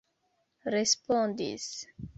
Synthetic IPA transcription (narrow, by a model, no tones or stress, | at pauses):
ɾespɔ̃nd̪ḭs